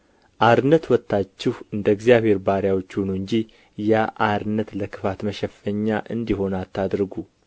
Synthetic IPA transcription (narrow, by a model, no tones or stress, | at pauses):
ʔaɾɨnːət̪wɔt̪ːat͡ʃːɪhɨnd̪əɡzjaβhe̞ɾbaɾjawo̞t͡ʃːhunuɨɲd͡ʒi | jaʔaɾɨnːət̪ləkʰɨ̥fat̪məʃɛfəɲːaʔɨ̰nd̪iɦo̞nat̪ːad̪ɾɨɡu